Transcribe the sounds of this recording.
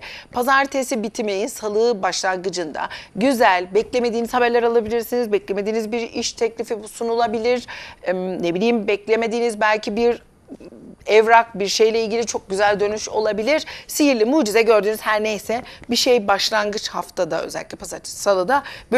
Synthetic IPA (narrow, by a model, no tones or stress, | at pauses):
pʰazaɾt̪ʰesibit̪ʰimejinsalˠɯːbaʃlˠanɡɯd͡ʒɯnd̪a̰ɟyzælʲbɛclʲe̞me̞d̪iːnizhabæɾlʲɛɾalˠabilʲiɾsinizbɛclʲeme̞d̪iːnizbiɾiʃt̪ʰɛclʲifibusunulˠabilʲiɾ | nebilʲijmbɛclʲe̞me̞d̪iːnizbælʲcʰibiɾ | ɛvɾakbiɾʃe̞jlʲɛilʲɟilʲit͡ʃʰo̞k̚ɟyzælʲd̪ø̞nyʃo̞̰lˠabilʲiɾ̥sijiɾlʲimuːd͡ʒizɛɟø̞ɾd̪yːnyzhæɾnejsɛbiʃe̞jbaʃlˠanɡɯt͡ʃhaft̪ʰad̪a̰ø̰zɛ̰lʲicʲlʲipʰazaɾt̪ʰe̥salˠɯːd̪ab